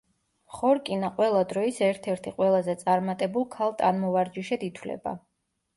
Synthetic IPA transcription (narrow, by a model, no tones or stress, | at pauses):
χɔɾkʼinaqʼwɛlˠad̪ɾɔisɛɾt̪ʰɛɾt̪ʰiqʼwɛlˠazɛt̪sʼaɾmat̪ʼɛbulˠkʰalˠt̪ʼanmɔvaɾd͡ʒiʃɛd̪it̪ʰwlɛ̰ba̰